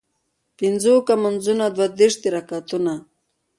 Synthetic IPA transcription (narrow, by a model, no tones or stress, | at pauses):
pinzokamanzunad̪wad̪eʂt̪iɾakat̪una